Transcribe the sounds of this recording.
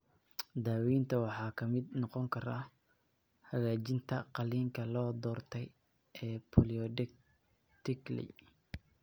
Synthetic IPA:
d̪aːwiːnt̪ʰɐwɑħɑːkʰɐmɪd̪̚nɔqɔŋkʰɐɾa̰ | hɐɣaːt͡ʃɪnt̪ʰɐqɑliːŋkʰɐlɔːd̪ɔːrt̪ʰɛj | ʔɛːpʰɔliɔ | t̪ɪklɛ̰j

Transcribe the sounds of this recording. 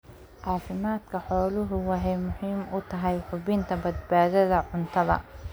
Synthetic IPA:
ʕɑːfɪmaːd̪kʰɐħɔːlʊɦʊwɑħɛjmʊhiːmʊt̪ʰɐɦɛjħʊβɪnt̪ʰɐbɐd̪̚baːðɐðɐʕʊnt̪ʰɐðɐ̰

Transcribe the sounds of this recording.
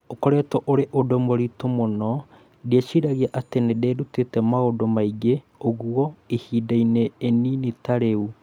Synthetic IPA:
okɔɾɛtɔʔoɾeʔodomoɾitomonɔ | diaɕiɾaɣiaʔatenedeːɾutetɛmaodomaiɡe | oɣuɔehiːdaineːninitaɾeu

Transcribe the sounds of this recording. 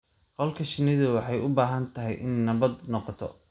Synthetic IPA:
qɔlkʰɐʃɪnɪðɐwɑħɑjʔʊbaːɦɐnt̪ʰɐɦɛjʔɪnːɐβɐd̪nɔqɔt̪ʰɔ̰

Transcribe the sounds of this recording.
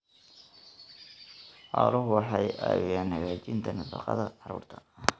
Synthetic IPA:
ħɑːlʊɦʊwɑħɑjæwɛjaːnːɐɣaːt͡ʃɪnt̪ʰɐnɐfɑqɑ̰ðɐʕɑɾṵːrt̪ʰɐ̥

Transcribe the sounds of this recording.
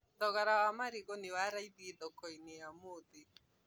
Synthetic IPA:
d̪ɔɣaɾawamaɾɪɣɔnɪwaɾaidiedɔkɔiniamodi

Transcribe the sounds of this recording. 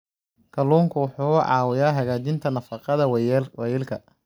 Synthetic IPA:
kʰɐluːŋkʰʊwʊħuːʕɑːwɪjaːɦɐɣaːt͡ʃɪnt̪ʰɐnɐfɑqɑðɐwwjɛːlkʰɐ̰

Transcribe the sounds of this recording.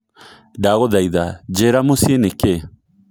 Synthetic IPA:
daɣɔðaiðad͡ʒeɾamosieneke

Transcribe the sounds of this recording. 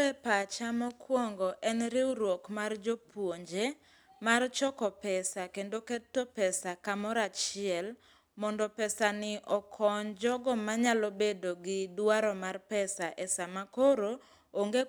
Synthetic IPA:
ɛpat͡ʃamɔkwɔŋɡɔʔɛnɾɪuɾwokmard͡ʒopwoɲd͡ʒe | mart͡ʃɔkɔpɛsakendoketːopɛsakamɔɾat͡ʃɪɛl | mɔndɔpɛsanɪʔɔkʰɔɲd͡ʒɔɡɔmaɲalobedoɡɪdwaɾɔmarpɛsaʔɛsamakoɾo | oŋɡe

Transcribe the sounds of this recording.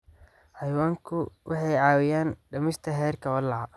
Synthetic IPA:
hɑjwaːŋkʰʊwʔɑħɑjʕɑːwɪjaːnɖɐmɪst̪ʰɐɦɛːrkʰɐɔlːɑʕɑ

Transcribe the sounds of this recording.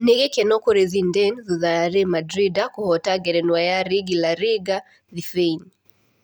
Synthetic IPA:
niɣɛkɛnɔkuɾiðindɛnðuðaɾimadɾidakuhɔtaɡɛɾɛnwajaɾiɡilaɾiɡa | ðifen

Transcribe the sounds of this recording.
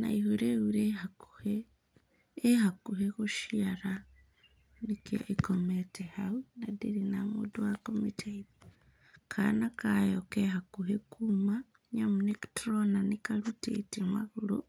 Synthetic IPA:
na̰ihuɾeuɾehakuheː | hakuɦeɣuʃiaɾa | nika̰ʔikometehaunadiɾinamṵduwakomitʰeiβa | kʰa̰nakajokeɦakuɦekuma | ɲamuneki̥tronanikaɾutḛtimwaɣuɾṵ

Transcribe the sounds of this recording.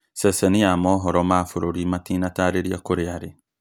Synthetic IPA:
sɛsɛniamɔɦɔɾɔmaːfoɾoɾimatiːnataɾeɾiakoɾeaɾe

